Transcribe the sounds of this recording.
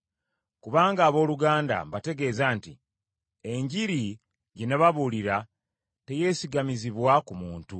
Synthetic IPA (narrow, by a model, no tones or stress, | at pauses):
kuβaːŋɡaːβo̞ːluɡaːnda̰bate̞ɡe̞ːzaːntḭ | e̞ɲɟiɾi | ɟeneβaβuliɾa | te̞je̞ːsiɡamiziβwakumuːntu